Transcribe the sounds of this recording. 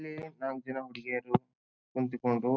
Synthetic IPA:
lːinaːŋd͡ʒɐnɐɦuɽiɡeːɾu | t̪unt̪ikoɳɖu

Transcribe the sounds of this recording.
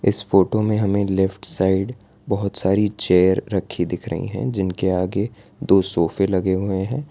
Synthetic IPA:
ɪ̰sfoːʈomẽɦɐmẽlɛfʈsaːɪɖ | bɐɦʊt̪saːɾit͡ʃeːjəɾːɐkʰːid̪ɪkʰɾɐ̰ɦḭ̃ɦɛ̰̃d͡ʒɪnkeaːɡe | d̪oːsoːfelɐɡeɦʊeɦɛ̃ː

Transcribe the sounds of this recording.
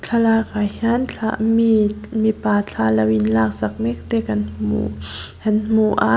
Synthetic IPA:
t͡ɬʰalakajhant͡ɬʰamimipaːt͡ɬʰalawinlaːk̚sak̚mek̚t̪ekanmṵhanmuʔa̰

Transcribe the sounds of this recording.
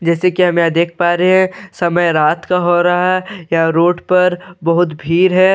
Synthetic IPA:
d͡ʒɛːsekiɦɐmẽad̪eːkʰpaːɾeɦɛ̃sɐməjɾaːt̪kaɦoɾaɦaɦɛjaɾoːʈpɐɾbɐɦʊt̪bʱiːɾɦɛː

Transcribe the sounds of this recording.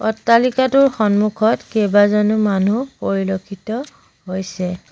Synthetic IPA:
ɔtːalikatʊɹxɔnmukʰɔtkɛbazɔnʊmanupoɹilokʰitɔ | ɦojsɛ

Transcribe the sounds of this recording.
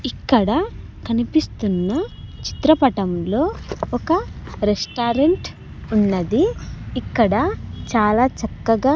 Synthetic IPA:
ikːɐɽɐ | kɐnipist̪unːɐt͡ʃi̥t̪ɾɐpɐʈɐmlo̞ːɔkɐɾesʈaːɾeɳʈ | unːɐd̪iːkːɐɽɐt͡ʃaːlaːt͡ʃɐkːɐɡaː

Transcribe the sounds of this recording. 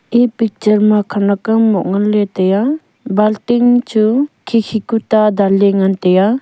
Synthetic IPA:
ipik̚t͡ʃəɾmakʰanakamːɔʔŋalet̪ɛja | balʈiŋt͡ʃʰukʰikʰikut̪ad̪aliŋant̪ɛja

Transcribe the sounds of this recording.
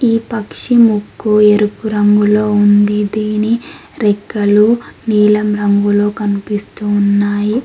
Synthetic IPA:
iːpɐkʂimukːueɾupuɾɐŋɡulo̞ːund̪id̪iːniɾɛkːɐluniːlɐmɾɐŋɡulo̞ːkɐnipist̪unːaːji

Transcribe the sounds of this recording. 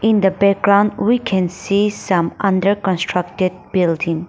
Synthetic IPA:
ĩnd̪əbɛk̚ɡɹãʊ̃ndwikʰɛ̃nsisʌ̃mʌ̃ndəɹkɔ̃nstʰɹʌk̚tɪd̚bɪldĩŋ

